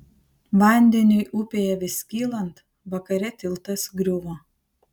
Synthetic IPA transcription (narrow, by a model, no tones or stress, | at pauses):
ʋɐˑnʲd̪ʲɛnʲʊɪʔʊpʲeːjɛʋʲɪsʲkʲiːlˠɐnt̪ | ʋɐkɐɾʲɛt̪ʲɪlˠˑt̪ɐsɡɾʲʊʋoː